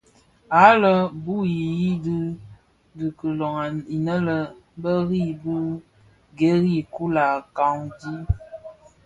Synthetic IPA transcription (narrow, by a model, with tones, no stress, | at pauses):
a˨˦lə˦bu˦i˨ji˦dɨ˦ | di˨kə˨lɔ˨ŋa˨i˨nə˦lə˨˦bə˦ɣi˦du˦ | ɡe˦ɣi˦˨ku˦la˨ka˨ŋdi˦